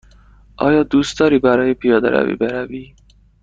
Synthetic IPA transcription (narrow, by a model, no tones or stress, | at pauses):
ɒ̰ːjɒːd̪ust̪ɒɾibaɾɒːjepijɒd̪a̰ɾa̰vḭbeɾavi